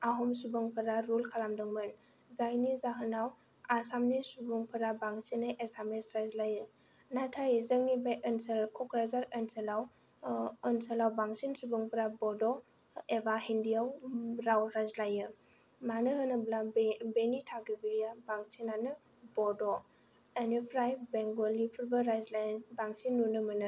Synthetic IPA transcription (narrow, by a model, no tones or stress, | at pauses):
aɦɔmsubɔŋpʰɯɾaɾulkʰalamdɯŋmɯn | zajnizaɦɯnaw | asamnisubɔŋpʰɯɾabaŋsinɯʔesamesɾazlajɯ | natʰajzəŋnibajʔənselkʰɔkɾazaɾənsəlaw | ənsəlawbaŋsinsubɯŋpʰəɾabɔdɔ | ebaɦindijawɾawɾazlajɯ | manɯɦɯnɯblabenitʰaɡibiɾijabaŋsinanɯ | bɔdɔ | enipʰɾajbeŋɡolipʰuɾbɯɾajzlajnbaŋsinːunɯmɯnɯ